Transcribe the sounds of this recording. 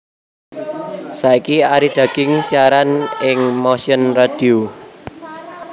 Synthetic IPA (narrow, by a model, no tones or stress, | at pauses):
saikiaɾid̪̥ä̤ɡ̥ɪŋsiaɾanɪŋmosiənrad̥io